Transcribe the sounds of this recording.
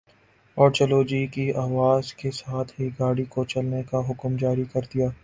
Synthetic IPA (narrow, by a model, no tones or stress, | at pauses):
ɔːɾt͡ʃɐloːd͡ʒikiaːʋaːzkesaːt̪ʰɦiɡaːɽikot͡ʃɐlnekaɦʊkmd͡ʒaːɾikɐɾd̪ijaː